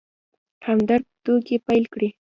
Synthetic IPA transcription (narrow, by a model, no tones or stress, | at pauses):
hʰamd̪aɾ̚t̪ukepajlkɽi